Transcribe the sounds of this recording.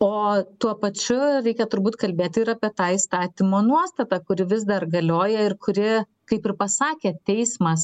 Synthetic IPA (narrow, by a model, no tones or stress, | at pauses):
oːt̪uɔpɐt͡ʃʲʊɾʲɛɪkʲɛt̪ʊɾbuːt̪kɐlʲbʲeːt̪ʲɪɪɾɐːpʲiɛt̪ɑːist̪ɑːt̪ʲɪmoːnuɔst̪ɐt̪ɑkʊɾʲɪʋʲɪzd̪ɐrɡɐlʲoːjɛɪrkʊɾʲɪ | kɐɪpɪɾpɐsɑːkʲeːt̪ʲɛɪsmɐs